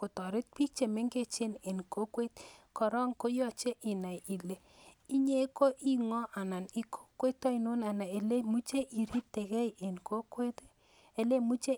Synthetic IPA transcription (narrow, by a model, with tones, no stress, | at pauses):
ko˨tɔ˨ɾɪ˦t̚pi˦k̚t͡ʃe˨me˦ŋɡe˦t͡ʃe˦ne˨nko˦kwe˦tkɔ˨ɾɔ˦ŋko˦jɔ˦t͡ʃe˦ʔi˨na˨ji˨le˨ | i˦ɲe˦ko˦ʔi˦ŋɔ˦ʔa˨na˨ni˦kʰo̥˦kwe˦t̪ːɔ˦i˨no˦na˨na˨e˨le˦mu˦t͡ʃe˦ʔi˨ɾi˦p̚te˨kɛ˦je˨nko˦kwe˦t | e˨le˦mu˦t͡ʃe˦